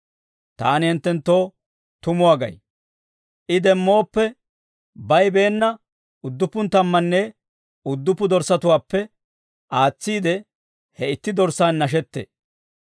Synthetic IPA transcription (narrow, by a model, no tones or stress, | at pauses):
t̪aːnɪhɪnt̪ːɛnt̪ːo̞ː | t̪ʊmʊwaːɡɐ̰j | ʔɪd̪ɛmːo̞ːpːɛ | bɐjbe̞ːnːɐ | ʊd̪ːʊpːʊnt̪ɐmːɐnːe | ʊd̪ːʊpːʊd̪ɔɾsɐt̪ʊwaːpːɛ | ʔaːt͡sːiːd̪ɛ | hɛɪt̪ːɪd̪ɔɾsaːnːɐʃ̬ɛt̪ːḛː